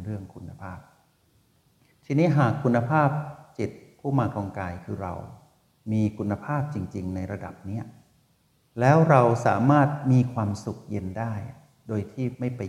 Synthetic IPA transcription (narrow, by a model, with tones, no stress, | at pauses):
ɾɯ˥˩əŋkʰu˧nːa˧pʰaː˥˩p̚ | t̪ʰiː˧niː˦˥ɦaː˨˩kʰːu˧nːa˧pʰaː˥˩p̚t͡ɕi˨˩t̪̚pʰuː˥˩maː˧kɔ˧ŋkaː˧jkʰɯː˧ɾa̰˧w | miː˧kʰu˧nːa˧pʰaː˥˩p̚t͡ɕi˧ŋt͡ɕi˧ŋna˧jɾa˧da̰˨˩p̚ni˦˥ɐ | lɛː˦˥wɾa˧wsa̰ː˩˦maː˥˩t̪̚miː˧kʰwaː˧msu˨˩k̚je˧ndaː˥˩j | doː˧jt̪ʰiː˥˩ma˥˩jpa˧